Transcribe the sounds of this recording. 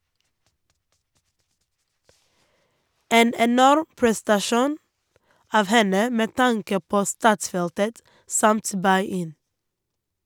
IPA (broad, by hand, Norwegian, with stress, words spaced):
ˈeːn ɛˈnɔɾ pɹɛstɑˈʃuːn ˈɑːʋ ˈhɛnə ˈmeː ˈtɑŋkə ˈpoː ˈstɑːtˌsfɛltət ˈsɑmt ˈbɑɪ ˈɪn